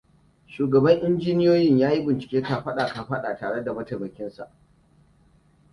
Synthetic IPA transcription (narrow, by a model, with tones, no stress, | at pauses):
ʃuː˨ɡɐ˨bɐ˦ŋʔɪ˦nd͡ʒiː˦nɪ˦joː˦jɪ˦ɲjaː˦ji˦bɪ˨nt͡ʃɪ̥˨kʲeː˦ka˨ɸɐ˦ɗaː˨ka˨ɸɐ˦ɗaː˨taː˨ɽe˦da˨mɐ˦te˨mɐ˨kʲɪ˦nsa̰˨ʔ